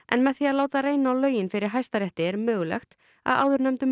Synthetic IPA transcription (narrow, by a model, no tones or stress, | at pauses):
ʔɛ̰nmɛðθiaðlaːwt̪aɾeːjnaawlœːɥjɪnfɪɾɪɾ̥ɦajst̪aɾjɛht̪ɪɛɾmœːɣʏlɛ̰xt̪ | a̰ða̰wðʏɾnœmt̪ʏm